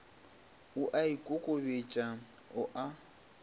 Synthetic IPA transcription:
ʊʔaikʼokʼobet͡ʃʼaʊʔa

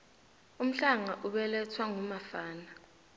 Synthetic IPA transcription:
um̩ɬaŋaʔuɓɛlɛt͡sʰwaŋumafaːna

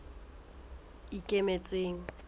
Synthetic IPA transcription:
ikʼemet͡sʼeːŋ̩

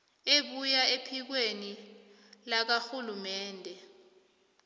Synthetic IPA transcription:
eɓujaepʰik̬weni | lak̬axulumɛːndʱɛ

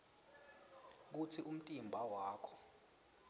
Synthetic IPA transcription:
k̬ut͡sʰiʔum̩tʼimbʱawaːkʰɔ̥

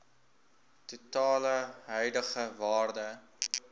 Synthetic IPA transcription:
tutɑːləɦœjdəχəvɑːrdə

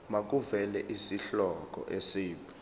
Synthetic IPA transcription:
mak̬uvɛlɛʔisiɬɔk̬ʼɔ̰ʔesiːpʰɛ

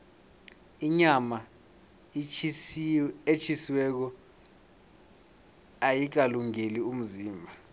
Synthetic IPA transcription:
iɲama | et͡ʃʰisiwɛk̬ɔ | ajik̬aluŋelium̩ziːmbʱa

